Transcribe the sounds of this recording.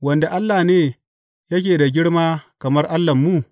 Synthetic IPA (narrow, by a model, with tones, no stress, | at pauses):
wɐ˨nda˨ʔa˦lːa˨neː˦ | jɐ˦kʲeː˨da˨ɡʲɪ˦ɽmaː˦kɐ˨mɐ˦rʔa˦lːɐ˨mːu˦˨